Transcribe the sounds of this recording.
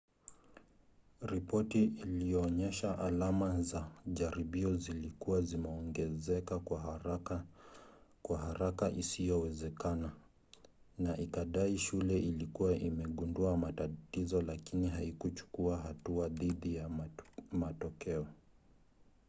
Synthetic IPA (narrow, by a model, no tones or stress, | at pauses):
ɾipɔtiilijɔːɲɛʃaʔalamazaʄaɾiɓiɔzilikuwazimɛɔŋɡɛzɛkakwa | kwaɦaɾakaʔisijɔwɛzɛkana | naʔikaɗaiʃulɛʔilikuwaʔimɛɠunduamatatizɔlakiniɦaikut͡ʃu̥kuaɦatuaðiɗija | matɔkɛɔ